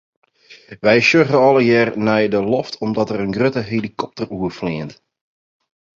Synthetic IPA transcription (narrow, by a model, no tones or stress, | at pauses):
ʋɛjsøɣəɔlˠəjɛːrnɛjdəlɔftʰɔmdɔtərənɡrøtəɦelikɔp̚təruəflɪənt